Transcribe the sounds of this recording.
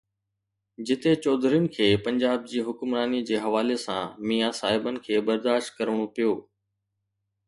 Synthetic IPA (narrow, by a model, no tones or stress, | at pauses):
d͡ʑɪt̪et͡ɕɔːd̪ʱɾijʊnɪ̆kʰeːpɐ̃ɲd͡ʑaːb̚d͡ʑiːɦʊkʊmɾaːnid͡ʑeːɦɐʋaːlesã̰miːjasaːɦɪbənɪ̆kʰeːbɐɾd̪aːʃt̪̚kɐɾəʋɽ̃opijoː